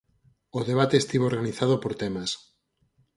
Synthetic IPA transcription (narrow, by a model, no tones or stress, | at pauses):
oðeβ̞at̪eːst̪iβoɾɣaniθaðopoɾt̪emas